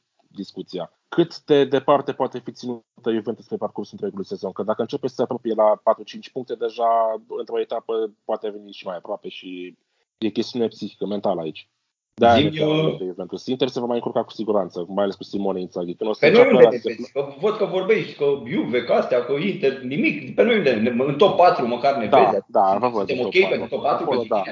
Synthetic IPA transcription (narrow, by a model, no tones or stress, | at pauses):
d̪iskut̪sija | kʰɨt̪d̪e̞d̪e̞part̪e̞poat̪e̞fit̪sinu | t̪əivent̪espɾeparkursuɨnt̪ɾujekulujse̞zo̞nkəd̪akəɨnt͡ʃe̞pesseapɾo̞pije̞lapat̪ɾut͡ʃint͡ʃʲpuŋk̚t̪e̞d̪e̞ʒaɨnt̪ɾo̞et̪apəpoat̪eve̞niʃimajapɾoape̞ʃi | je̞kʲe̞st̪iune̞psixikəme̞nt̪aləait͡ʃʲ | d̪aieed̪eɡze̞mplusint̪ese̞vamajɨŋkuɾkaku̥siɡuɾant̪səmajaleskusimo̞neinsaɡʲikɨnost̪enojieaeekəvəd̪̚kəvo̞rbe̞ʃt̪ʲkəbjuvekast̪eakoint̪ernimikpenojinenɨnt̪opːat̪ɾuməkarnevd̪aeaad̪avəvəd̪eotokʲejet̪oaaukolod̪